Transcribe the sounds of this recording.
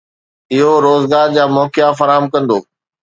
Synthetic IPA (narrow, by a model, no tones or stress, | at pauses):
ɪɦoɾoːzɡaːɾd͡ʑaːmɔːkɪjafɐɾaːɦəmkɐ̃nd̪oː